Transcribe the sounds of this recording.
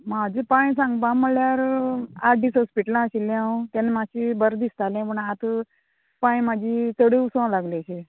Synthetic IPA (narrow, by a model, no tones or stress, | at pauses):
mad͡ʑepaj̃s̬ãŋɡpãməljaɾaɖiːsɦɔspiʈlãaɕilẽaũt̪ãnemaɕibəɾd̪ist̪alɛ̃pəɳat̪ | pãj̃mad͡ʑʱit͡s̪əɽiusə̃laɡliaɕe